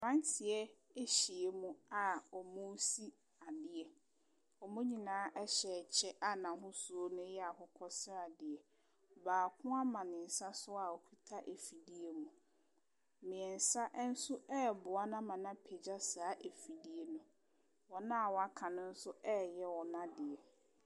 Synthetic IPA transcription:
mã˦n˦tʰɪ˨ɛ˦ | e˦ɕi˨e˦mũ˦a˨ɔ˨mʊ̃˦si˦ | a˨dɪ˨ɛ˨ | ɔ˨mʊ̃˦ɲĩ˨nãː˨˦ʔɛ˦ɕɛ˨t͡ɕʰɛ˦ʔa˦nã˨ɦʊ̃˦su˨o˦nʊ̃˦jɛ˦a˨hʊ˦kʰɔ˦sɪ˦a˨dɪ˨ɛ˨ | baː˨kʰʊ̃˦a˦mã˨nɪ̃˨n̩˨sa˦sʊ˦a˨ɔ˨kʰu˦tʰa˦ʔe˨fi˨di˦e˦mũ˨ | mɪ̃˨ɛ˨n̩˨sa˦ʔn̩˦sʊ˦ɛ˦˨bʊ˨a˦nã˦mã˨nã˦pʰe˨d͡ʑa˦saː˦ʔe˨fi˨di˨e˦nʊ̃˦ | wɔ˨nã˦a˨wɔ˨˦a˦kʰã˨nʊ̃˦n̩˦sʊ˦ɛː˦jɛ˦wɔ˨nã˦dɪ˨ɛ˨

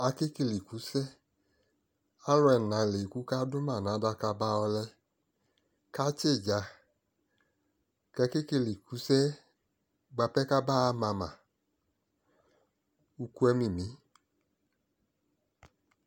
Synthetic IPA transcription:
a˧ke˦ke˧˨li˨ku˨˦sɛ˦ | a˦lɔ˧ɛ˧˨na˨˦˨le˨ku˦ka˦dʊ˦ma˦˨na˨˦da˧ka˧ba˧ɔ˧lɛ˧ | ka˦t͡ʃe˦˨d͡ʒa˧ | kɛ˧˦ke˦ke˧˨li˨ku˨˦sɛ˦ | ɡ͡ba˧pɛ˦ka˦ba˦a˦mã˧ma˨ | u˧ku˧˦ɛ˦mi˨mi˨˦

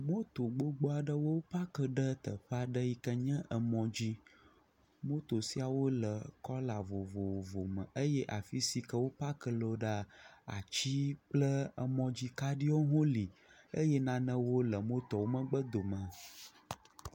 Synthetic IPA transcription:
mo˦t̪o˨ɡ͡bo˦ɡ͡bo˦a˨ɖə˦wo˦wo˦pa˦kə˦˨ɖə˦t̪ə˨ɸa˦ɖə˦ji˦kə˦ɲɛ̃˦ʔə˨mɔ̃˨d͡ʑi˦ | mo˦t̪o˨si˦a˨wo˦lə˨kɔ˦la˨vo˨vo˨wvo˨mə̰̃˨ʔə˦jɛ˦ʔa˨fi˦si˦kə˦wo˦pa˦kə˦lo˨ɖa˦a̰˨t͡ɕi˦k͡plə˦ə˨mɔ̃˨d͡ʑi˦ka˦ɖi˦wo˦ɦõ˦li˨ | ə˦jɛ˦nã˦nə̃˦wo˦lə˨mo˦t̪ɔ˨wo˦mə̃˦ɡ͡bə˦d̪o˨mə̃˨

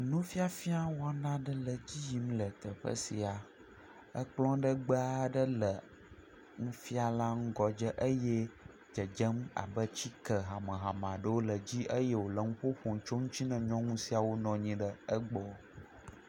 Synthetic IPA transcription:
nũ˦fi˦a˨fi˦a˦wo˦a˨nã˦ɖə˦lə˨d͡ʑi˦ji˨m˦lə˨t̪ə˨ɸə̰˦si˨a˨ | ə˦k͡plɔ̃˦ɖə˦ɡ͡ba˦ɖə˦lə˨ | ŋũ˦fi˦a˨la˦ŋ̩˦ɡɔ˨d͡ʒə˦ʔə˦jɛ˦ | d͡ʒə˨d͡ʒə˦ma̰˨bə˦t͡ɕi˦kə˨ɦa˨mə̃˨ɦa˨mã˨ɖə˦wo˦lə˨d͡ʑi˦ʔə˦je˦wo˨lə˨ŋũ˦ɸo˦ɸo˨ŋ˦t͡ʃo˦ŋũ˦t͡ɕi˦nɛ̃˨ɲɔ̃˦ŋũ˦si˦a˨wo˦nɔ̃˨ɲĩ˨ɖə˨ə˦ɡ͡bɔ˦

